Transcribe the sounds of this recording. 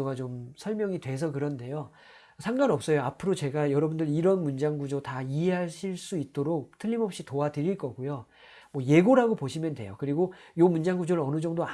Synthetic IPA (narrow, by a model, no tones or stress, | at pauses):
oɡat͡ɕomsʰʌɭmjʌŋidwe̞s̬ʰʌkɯɾʌnde̞jo | sʰaŋɡanʌp̚s͈ʌjoapʰɯɾot͡ɕe̞ɡajʌɾʌbundɯɾiɾʌnmund͡ʑaŋɡud͡ʑotaiɦe̞ɦaɭɕʰiɭs͈uit̚t͈oɾok̚tʰɯʎːimʌp̚ɕ͈itoadɯɾiɭk͈ʌɡujo | mwʌje̞ɡoɾaɡopoɕʰimjʌndwe̞jokɯɾiɡojomund͡ʑaŋɡud͡ʑoɾɯɭʌnɯd͡ʑʌŋdoa